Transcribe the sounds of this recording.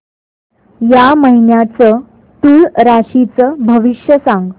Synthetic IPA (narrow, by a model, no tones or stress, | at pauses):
jaməɦinjat͡sə | t̪ulɾaɕit͡səbʱəʋiɕjəsãŋɡ